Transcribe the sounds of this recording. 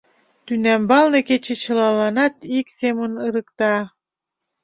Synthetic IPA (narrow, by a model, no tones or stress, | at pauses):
t̪ynæmbɑlˠnɤ̆ket͡ɕet͡ɕɤ̆lˠɑlˠɑnɑt̪iksʲemunɯɾɯ̆kt̪ɑ